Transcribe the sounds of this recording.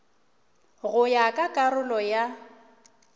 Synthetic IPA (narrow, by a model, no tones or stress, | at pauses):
ɣʊjakʼakʼarʊlɔja